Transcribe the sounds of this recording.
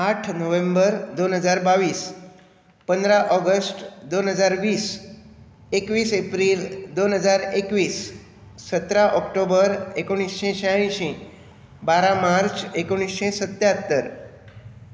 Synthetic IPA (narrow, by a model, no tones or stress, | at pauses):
aʈʰnoʋẽmbəɾd̪onɦəd͡ʒaɾbaʋis | pə̃nd̪ɾaʔɔɡəsʈd̪onɦəd͡ʒaɾʋis | ekʋisepɾild̪onɦəd͡ʒaɾekʋisː | ət̪ɾaʔɔkʈobəɾekoɽ̃isːẽʃəjaɭ̃ĩʃĩ | baɾamaɾt͡ʃekoɽ̃isʃẽsət̪jat̪ːəɾ